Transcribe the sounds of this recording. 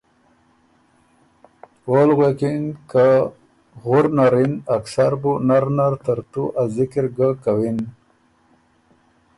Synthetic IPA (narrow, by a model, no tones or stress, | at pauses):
olɣekinka | ɣʊɾnaɾinaksaɾbunaɾnaɾt̪aɾt̪uʔazɪkiɾɡakawin